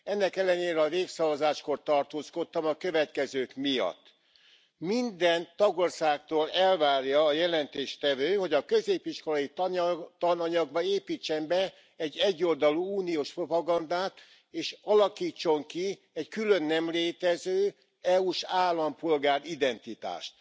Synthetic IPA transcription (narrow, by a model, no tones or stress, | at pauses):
ɛnːɛkɛlːɛneːɾɛɒveːksɒvɒzaːʃko̞rt̪ɒrt̪oːsko̞t̪ːɒmɒkø̞vɛt̪kɛzøːkmijɒ̰t̪ː | mind̪ɛnt̪ɒɡorsaːkt̪oːlɛlvaːrjɒːjɛlɛnt̪eːʃt̪ɛvøːho̞ɟɒkø̞zeːpiʃko̞lɒjit̪t̪ɒnɒɲɒɡbɒeːpiːt͡ʃːɛmbɛ | ɛɟːɛɟːo̞ld̪ɒluuːnioːʃpro̞pɒɡɒnd̪aːt̪ | eːʃɒlɒkiːt͡ʃːo̞ŋki | ɛckylø̞nːɛmleːt̪ɛzøː | ɛuʃaːlːɒmpo̞lɡaːɾid̪ɛnt̪it̪a̰ːʃt̪